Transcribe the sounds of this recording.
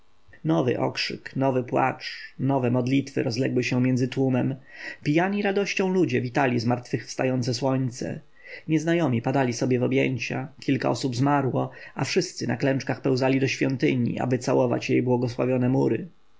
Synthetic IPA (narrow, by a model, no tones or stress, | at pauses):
nɔvɘ̰ʔɔ̰kʂɘ̰knɔvɘpwa̰t͡ʂnɔvɛmɔd̪lʲit̪fɘ̰ɾɔzlɛɡwɘɕɛmjɛnd̪zɘt̪wumɛmpʲijaɲiɾad̪ɔɕt͡ɕɔ̃w̃lud͡ʑɛvʲit̪alʲizmaɾt̪fɘxfst̪ajɔnt̪sɛswɔɲt̪sɛ̰ | ɲɛznajɔmʲipad̪alʲisɔbʲjɛvɔbjɛɲt͡ɕa̰kʲʰilka̰ʔɔsubzmaɾwɔafʂɘst̪sɘnaklɛ̃nt͡ʂkaxpɛw̃zalʲid̪ɔɕfʲjɔnt̪ɘɲḭʔa̰bɘt̪sawɔva̰t͡ɕjejbwɔɡɔswa̰vʲjɔnɛmuɾɘ